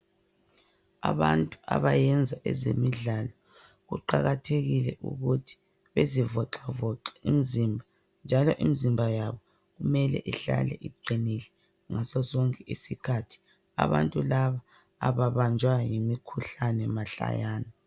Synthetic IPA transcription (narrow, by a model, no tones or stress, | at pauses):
a̰βantʼua̰βajɛnd͡zʱaʔɛzemiɮalɔ | ɣuǃaɣatʰeɣilɛʔṵɣutʰi̥ | βezivɔǃavɔǁaimizimbʱa | nd͡ʒʱalɔʔimizimbʱajaβɔ | ɣumɛlɛ̰ʔiɬa̰lɛʔiɡ͡ǃʱinilɛ | ŋasɔzɔŋkʼɛʔisikʰatʰi̥ | a̰βa̰ntʼulaβa̰ː | βaβand͡ʒʱwajimikʰuɬanɛmaɬa̰jaːnɔ